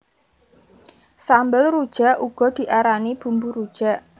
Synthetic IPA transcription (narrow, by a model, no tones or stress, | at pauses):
sambəlɾud̥ʒ̥a̤ʔʔuɡ̥ɔ̤d̪̥i̤ʔaɾanib̥ṳmbuɾud̥ʒ̥a̤ʔ